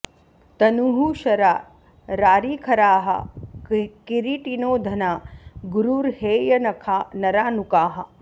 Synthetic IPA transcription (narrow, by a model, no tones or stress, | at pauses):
t̪ɐnuɦuʃɐɾaː | ɾaːɾiːkʰɐɾaːɦɐ̰ | kiɾiʈinoːd̪ʱɐnaːɡuɾuːɾheːjɐnɐkʰaːnɐɾaːnukaːɦɐ